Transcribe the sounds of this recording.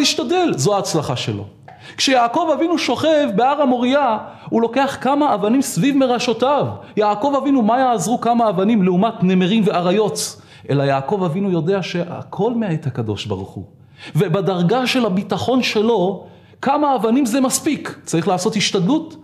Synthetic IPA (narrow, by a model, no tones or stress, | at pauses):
iʃtade̞lzoaːt͡slaχaʃe̞̰lo̞̰ | kʃejaːko̞vavinuʃo̞χe̞vbeaʁamo̞ʁia | ulo̞ke̞aχkamaːvanimsvivme̞ʁaʃo̞tavjaːko̞vavinumajaːzʁukamaːvanimleumatne̞meʁimveaʁajo̞t | ʔe̞lajaːko̞vavinujo̞de̞aʃe̞ʔa̰kʰo̞lmeaethakado̞̰ʃba̰ʁuχṵ | vebadaʁɡaʃe̞labitaχo̞nʃe̞lo̞ | kamaːvanimzemaspikt͡saʁiχlaːso̞thiʃtad̪lut